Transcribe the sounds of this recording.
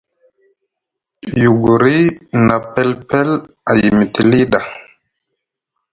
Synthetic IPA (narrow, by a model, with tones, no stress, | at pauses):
ju˨ɡu˨ɾi˦na˨pɛ˦lpɛ˦l | a˨ji˨mi˨ti˨li˦ɗa˨